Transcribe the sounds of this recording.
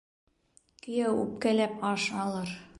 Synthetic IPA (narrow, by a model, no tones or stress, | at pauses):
kɵ̆jæʉ̰p̚kælæpɑʃɑlˠɤɾ